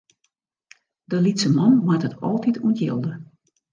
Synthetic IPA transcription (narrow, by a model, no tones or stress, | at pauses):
dəlitsəmɔnwatətɔ̰lˠtitʰuəntʰjɪ̰lˠdə